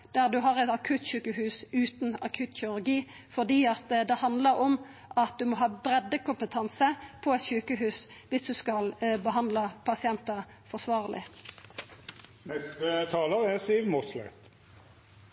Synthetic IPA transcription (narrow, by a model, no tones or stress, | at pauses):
d̪̥æʁd̪ʉɦɑʁɛt̪ɑkʰʉt̪çʉːkəhʉːsʉːt̪n̩ɑ̰kʰʉːt̪çɪʉʁɡiː | fɔʁd̪iːɑt̪d̪ɛhɑnd̪ləʁɔm | ʔɑt̪̚d̪ʉmɔɦɑːbɾɛd̪ːəkʰʊmpət̪ʰɑnsəpʰɔɛt̪çʉːkəɦʉːsʋɪsd̪ʉskɑlbəɦɑnd̪ləpʰɑsɪɛnt̪əʁ | fɔsʋɑːʁlɪ̰ | nɛst̪ət̪ʰɑːləʁæsiːʋmɔslɛ̰t̪